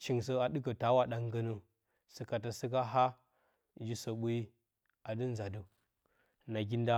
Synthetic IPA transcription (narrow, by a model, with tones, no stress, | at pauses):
t͡ʃi˨ŋs̬ə˦a˨ɗɨ˦kə˨ta˨˦wa˨ɗa˦ŋɡə˦nə˦ | sə˨ka˨ta˨si˦k̬a˦ɦa˦ | d͡ʒi˦so˨ɓu˦i˦ | a˨də˦n˦za˨du˦ | na˨ɡʲi˦nda˦